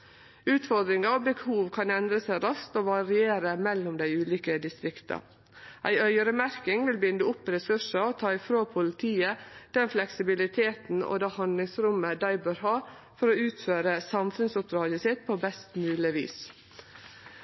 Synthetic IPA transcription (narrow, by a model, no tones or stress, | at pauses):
ʉːt̪fɔɾd̪ɾɪŋɑɔbəhuːʋkʰɑnɛnd̪ɾəsæɪɾɑst̪oːʋɑɾɪeːɾəmɛlːʊmd̪æɪʉːliːkəd̪ɪst̪ɾɪkt̪ʰɑ̰ | ʔæ̰ɪœʏəɾəmæɾkɪŋʋɪlbɪnd̪əʊpːɾɛsʉʂəot̪ʰɑːɪfɾoːpʰʊlɪt̪ʰiːəd̪̥ɛnflɛksɪbɪlɪt̪ʰeːt̪n̩o̰d̪eːhɑnd̪lɪŋsɾʉmːəd̪æɪbøːɾɦɑː | fɔɾoːʉːt̪føːɾəsɑmfʉnsʊp̚d̪ɾɑːɡəsɪt̪̚pʰoːbɛst̪mʉːlɪʋḭːs